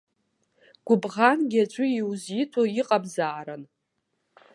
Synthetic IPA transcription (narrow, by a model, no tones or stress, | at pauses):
ɡ̥ʷʊbʁanɡʲiat͡ʃʷʼʊiwzjitʷʰoiqʼabzaːɾan